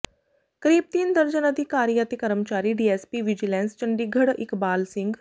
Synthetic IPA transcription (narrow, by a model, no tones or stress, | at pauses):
kəɾiːb̚t̪iːnd̪əɾd͡ʒənəd̪ʱɪkaːɾijat̪ekəɾəmt͡ʃaːɾiːɖiːɛːspiːʋɪd͡ʒilɛ̃ːnst͡ʃəɳɖiːɡʱəɽɪkbaːlsɪ̃ŋɡ